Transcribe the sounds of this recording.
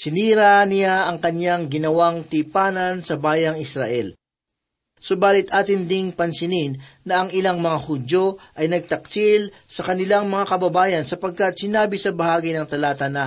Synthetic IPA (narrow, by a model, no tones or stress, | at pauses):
sɪniːɾanɪjaʔɐŋkɐnjaŋɡɪnɐwaŋt̪ipaːnɐnsɐbaːjɐŋɪsɾa̰ʔɛl | sʊbaːlɪt̪ʔaːt̪ɪnd̪ɪŋpɐnsɪnɪnːɐʔɐŋɪlaŋmɐŋahʊd̪o̞ʔɐjnɐɡ̚t̪ɐk̚sil | sɐkɐnɪlaŋmɐŋakɐbɐbaːjɐnsɐpɐɡ̚kɐt̪̚sɪnaːbɪsɐbɐhaːɡijnɐŋt̪ɐlaːt̪ɐna